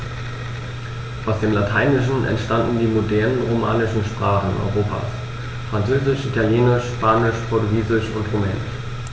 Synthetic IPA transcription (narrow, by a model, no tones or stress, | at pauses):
ʔaʊsd̥eːmlatʰaɪnɪʃn̩ɛ̰ntʃtandn̩diːmodɛɐnənʁoma̰ːnɪʃn̩ʃpʁ̥aːχn̩ɔ̰ʏʁ̞oːpʰa̰ːs | fʁ̥ant͡søːzɪʃʔitʰaljeːnɪʃʃpaːnɪʃpʰɔɐtuɡiːzɪʃʊntʁomɛːnɪ̰ʃ